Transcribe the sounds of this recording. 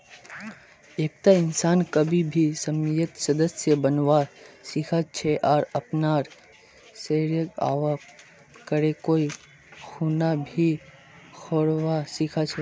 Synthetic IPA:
eːk̚t̪aɪnsaːnkəbʱibʱisəmjət̪səd̪əsjəbənʋasikʰat͡ʃʰeʔɔːɾɐpnaːɾ | seɾjəɡa̰ːʋa | kəɾekoːi | xuːnabʱi | xʰoːɽʋasikʰat͡ʃʰe

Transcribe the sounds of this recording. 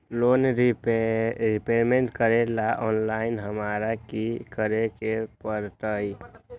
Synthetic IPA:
loːnɾipɾipemeɳʈkəɾelaʔɔnlaɪnɦəmaːɾakikəɾekepəɾt̪əi

